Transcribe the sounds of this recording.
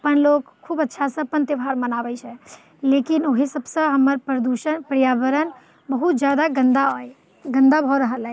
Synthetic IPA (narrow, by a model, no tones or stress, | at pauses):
əpənlokkʰːubətːʃʰasə̃pənt̪əbʱaɾmənabɛt͡ʃʰɛ | lekinoɦisəbsə̃ɦəmːəɾpɾəd̪uʃənpɾijabəɾən | bəɦut̪̚d͡ʒjad̪aɡənd̪aɦoj | ɡənd̪abʱɔɾəɦəlɦɛ